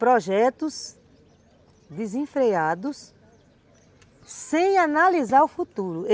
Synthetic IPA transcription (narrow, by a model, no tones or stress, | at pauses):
pɾɔʒɛt̪ʊs | d̪ɪzẽfɾead̪ʊs | ẽj̃analizaɾʊfut̪uɾʊ